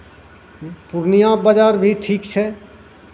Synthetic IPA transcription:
puɾnijãbəd͡ʒaːɾbʱiʈʰikt͡ʃʰɛ

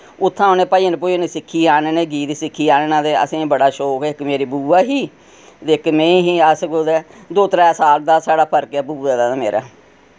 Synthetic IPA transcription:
ʊt̪ʰːãːʊnẽːpaːinpoːineːsɪkʰːiːaːneːneːɡiːt̪sɪkʰːiːaːneːnãːd̪eːə̰sĩːbəɽaːʃoːkɪkmeːɾiːbuːaːɦiː | d̪eɪkmẽːɦiːəskod̪ɛːd̪oːt̪ɾɛːsaːld̪aːsaːɽaːpʰəɾkaːbuːd̪eːd̪aːd̪aːmḛːɾʔa̰ː

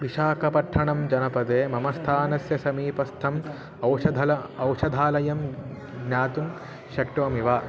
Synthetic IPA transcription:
ʋiʃaːkɐpɐʈʰːɐɳɐmd͡ʒɐnɐpɐd̪eːmɐmɐst̪ʰaːnɐsjɐsɐmiːpɐst̪ʰɐm | ɐwʃɐd̪ʱɐlɐɐwʂɐd̪ʱaːlɐjɐm | ɡnaːt̪um | ʃɐkʈɐɐmiʋaː

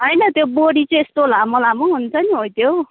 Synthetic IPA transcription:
ɦʌjnʌt̪joboɽit͡sʌ̃est̪olamʌlamoɦunt͡sʰʌniɦojt̪jo

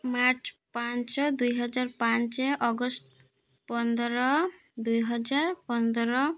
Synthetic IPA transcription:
maɾt͡ʃpant͡ʃɔd̪ujɦɔd͡ʒaɾpant͡ʃeʔɔɡɔsʈ | pɔnd̪ɔɾɔ | d̪ujɦɔd͡ʒaɾpɔnd̪ɔɾɔ

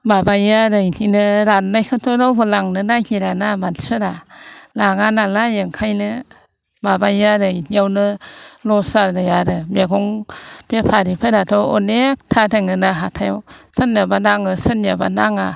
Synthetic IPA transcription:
babajjaɾɯininɯɾanːajkʰɯtʰɔnawbɯlaŋnɯnahiɾanamansɯɾalaŋanalajɯŋkʰajnɯ | babaaɾɯiniawnɯlɔsaɾdɯjaɾɯmeɡɔŋbepʰaɾipʰeɾatʰɔɔnek̚tʰadeŋɯnaɦatʰajwsanjabanaŋɯsɯnjaba̰naŋa

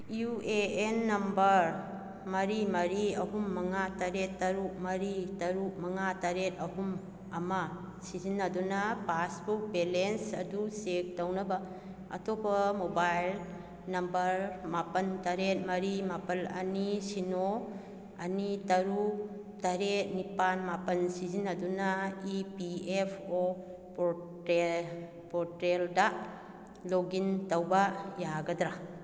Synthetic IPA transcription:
jueenːɐmbɐɾ | mɐɾimɐɾiɐɦumːɐŋatɐɾetːɐɾuk̚mɐɾitɐɾuk̚mɐŋatɐɾet̚ɐɦum | ɐmɐ | sizinːɐdunɐpasbuk̚belensɐ̰dusek̚tɐwnɐbɐ | ɐ̰tʰobɐmobajl | nɐmbɐɾmapɐntɐɾet̚mɐɾimapɐlɐ̰nisino | ɐnitɐɾu | tɐɾet̚nipanmapɐnsizinɐdunɐipiepʰo | p | pɔɾtɾeldɐ | loɡintɐwbɐjaɡɐdɾa

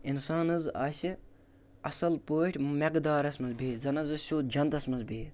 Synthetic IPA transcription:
insaːnɨzaːsʲi | ɐsɐlpoːʈʲʰmekd̪aːɾɐsmɐzbiːzɐnɐzɨsʲoːt̪̚d͡ʒɐnt̪ɐsmɐnzbiː

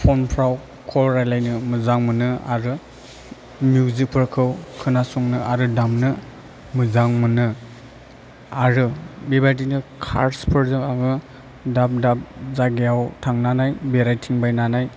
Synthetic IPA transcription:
pʰɔnpʰɾaw | kʰɔlɾajlajnɯmɯzaŋmɯnɯa̰ɾɯ | mjuzik̚pʰɯɾkʰɯwkʰɯnasɔŋnɯʔaɾɯdamnɯ | mɯzaŋmɯnɯ | aɾɯbebat̬inɯkʰa̰ɾspʰɯɾzɯmaŋɯ | dap̚dap̚zaɡejawtʰaŋnanajbeɾajtʰiŋbajnanaj

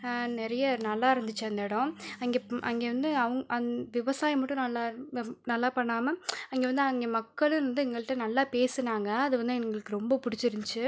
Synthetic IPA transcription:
nɛɾɐjɐnɐlːaːɪɾɐnd̪ɯt͡ʃːɐɐnd̪eːɽʊ̃ɐŋɡeːʔɐŋɡeːʋɐnd̪ɯɐʋɐŋɡɐʔɐʋɪʋɐsaːjɐmɐʈːʊ̃nɐlːaːnɐlːaːpɐɳːaːmɐɐŋɡeːʋɐnd̪ɯɐŋɡeːmɐkːɐɭɯ̃ʋɐnd̪ɯɛŋɡɐɭɪʈːɐnɐlːaːpeːsɯnaːŋɡɐɐðɯʋɐnd̪ɯɛŋɡɐɭɯkːɯɾɔmbɐpʊɽɪt͡ʃːɪɾɪɲd͡ʒt͡ʃːɯ

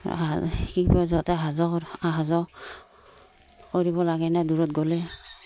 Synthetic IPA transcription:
kipɔzɔtɛɦazɔaɦazɔ | koɹiβɔlaɡɛnaduɹɔt̚ɡɔlɛ

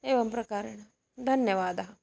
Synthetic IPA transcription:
eːʋɐmpɾɐkaɾɐɳɐ | d̪ʱɐnjɐʋaːd̪ɐɦɐ

